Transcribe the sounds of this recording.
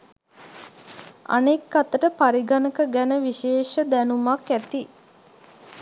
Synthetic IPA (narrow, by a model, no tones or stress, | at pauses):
a̰nekːat̪əʈəpaɾiɡanəkəɡænəʋiʃeːʃəd̪ænumakæt̪i